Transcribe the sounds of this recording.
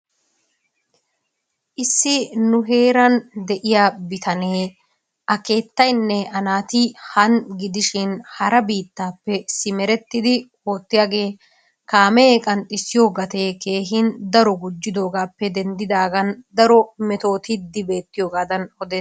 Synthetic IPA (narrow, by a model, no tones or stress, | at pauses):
ʔɪsːɪnʊɦe̞ːɾɐnd̪ɛʔɪjaːbɪt̪ʰɐneː | ʔɐke̞ːt̪ːɐjnːɛɐnaːt̪ɪhɐnɡɪd̪ɪʃɪnhɐɾɐbiːt̪ːaːpːɛsɪmɛɾɛt̪ːɪd̪ɪ | oːt̪ːɪjaːɡe̞ː | kaːmɛeːkʼɐnt̪ɪsːɪjo̞ːɡɐt̪e̞ːke̞ːɦɪnd̪ɐɾɔɡʊd͡ʒːɪd̪o̞ːɡaːpːɛd̪ɛnd̪ɪd̪aːɡɐnd̪ɐɾɔmɛt̪o̞ːt̪ɪd̪ːɪbe̞ːt̪ːɪjo̞ːɡaːd̪ɐnɔd̪eːs